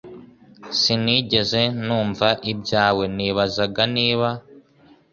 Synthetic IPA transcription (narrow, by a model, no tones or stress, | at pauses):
siniɟe̞ze̞nuːɱvaʔibɟaːwe̞niːβazaɡaniːβa